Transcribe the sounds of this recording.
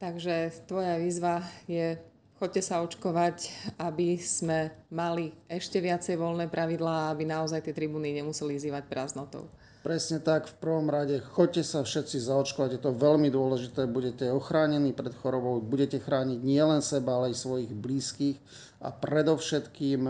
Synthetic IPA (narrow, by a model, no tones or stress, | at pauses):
t̪aɡʒɛt̪ʋɔjaʋiːzʋajɛ | xɔccːɛsaɔt͡ʃkɔʋacabiz̥mɛmaliɛʃcɛʋɪat͡sɛjʋɔlnɛːpɾʔaʋid̪laːabinaɔzajt̪ɪɛt̪ɾibuːniɲɛmusɛlivziːʋacpɾaznɔt̪ɔ̰ʊ | pɾɛsɲɛt̪akfpr̩ʋɔmɾaɟɛxɔc̚cːɛsafʃɛt̪t͡sizaɔt͡ʃkɔʋaɟjɛt̪ɔʋɛlmid̪ʊɔlɛʒit̪ɛːbuɟɛcɛɔxɾaːɲɛniːpɾɛt̪xɔɾɔbɔʊbuɟɛcɛxɾaːɲiɟɲɪɛlɛnsɛbaalɛajsʋɔjiɣbliːskiːx | a̰pɾɛd̪ɔʊʃɛt̪kiːm